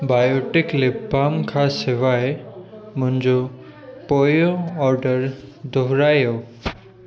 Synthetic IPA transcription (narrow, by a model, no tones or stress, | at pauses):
bajoʈɪklebamkʰaseʋaemʊɲd͡ʒo | pojoɔɾɖəɾd̪ʱɔɦɾajo